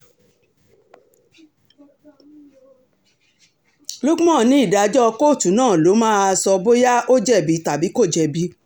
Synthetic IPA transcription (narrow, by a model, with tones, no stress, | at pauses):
lo˦ɡu˦mɔ̃˦˨nĩ˦i˦˨da˨d͡ʒɔ˦˧ko˦˨tu˨nãː˦˨lo˨˦mãː˦a˧sɔ˧bo˦ja˦ʔo˦d͡ʒɛ˦˨bi˨˦ta˨bi˨˦ko˦˨d͡ʒɛ˧bi˨˦